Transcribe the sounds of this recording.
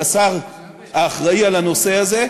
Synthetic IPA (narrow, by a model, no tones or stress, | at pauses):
asaʁ | aːχʁaialano̞se̞aze̞